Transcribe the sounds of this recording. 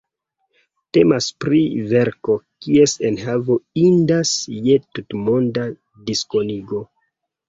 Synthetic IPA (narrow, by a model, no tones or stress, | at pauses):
te̞maspɾive̞ɾko̞kie̞senhavo̞indasje̞tutmonda | disko̞niɡo̞